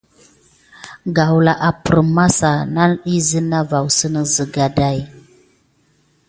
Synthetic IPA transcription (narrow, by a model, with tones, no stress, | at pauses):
ɡa˨wla˨ʔa˨pə˨ɾma˦sa˨na˦i˦zə˦na˦va˨wsə˦nə˦zə˨ɡa˨da˦˨j